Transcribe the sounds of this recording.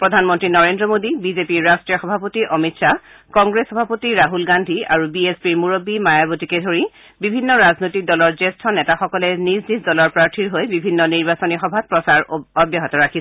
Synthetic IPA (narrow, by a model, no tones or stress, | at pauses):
pɹɔdʱanmɔntɹinɔɹendɹɔmodibizepiɹɹastɹijɔxɔbʱapotiʔɔmitsa | kɔŋɡɹesxɔbʱapotiɹaɦulɡandʱiaɹubiespiɹmuɹobimajabotikɛdʱoɹi | bibʱinːɔɹaznojtik̚dɔlɔɹzestʰɔnɛtaxɔkɔlɛniznizdɔlɔɹpɹaɹtʰiɹɦojbibʱinːɔniɹbasɔnixɔbʱat̚pɹɔsaɹɔbjaɦɔtɔɹakʰi